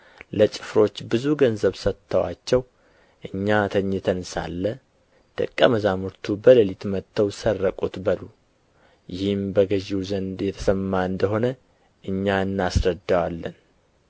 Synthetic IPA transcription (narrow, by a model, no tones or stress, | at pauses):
lət͡ʃʼɪ̥fɾo̞t͡ʃːbɨzuɡənzəβsət̪ʰːəwa̰t͡ʃːɛw | ʔɨɲːat̪ʰəɲːɛt̪ʰənsa̰lːə | d̪̥ə̰kʼːəməzamɨɾt̪ʰubələlit̪mət̪ʰːəwsərːəkʼut̪bəlu | jɪhɨmbəɡəʒiwzənd̪jɛt̪ʰə̥səmːaɨnd̪əɦo̞nə | ʔɨɲːaɨnːasɾəd̪ːawalːən